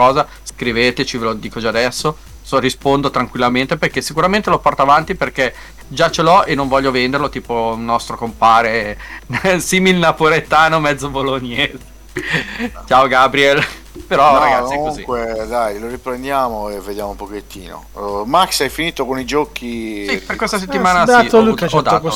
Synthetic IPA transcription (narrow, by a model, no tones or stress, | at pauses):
kɔːza | skɾiveːt̪et͡ʃivelod̪iːkod͡ʒaːd̪ɛsːo | sorispond̪ot̪ɾaŋkwilːament̪eperkesːikuɾament̪elopɔrt̪oavant̪iperke | d͡ʒat͡ʃelɔʔenːõɱvɔʎːovend̪erlot̪iːponɔst̪ɾokompaːɾe | siːmilnapoɾet̪ːaːnomɛd̪zːoboloɲːeze | t͡ʃaːoɡabɾiɛl | peɾɔaɡat̪iɛkouŋzḭkwed̪ajloɾipɾend̪jaːmoevːed̪jaːmoumpoket̪ːḭːno̰maksajfiniːt̪okonid͡ʒɔkisiperkwest̪aset̪ːimaːnad̪auuɔd̪ato